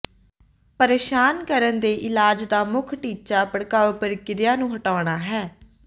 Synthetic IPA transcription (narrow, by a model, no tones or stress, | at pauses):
pəɾeːʃaːnkəɾənd̪eːʔɪlaːd͡ʒd̪aːmʊkʰʈiːt͡ʃaːpəɽkaːʋoːpəɾkɪɾɪjãːnũːɦəʈaːɳ̃aːɦɛː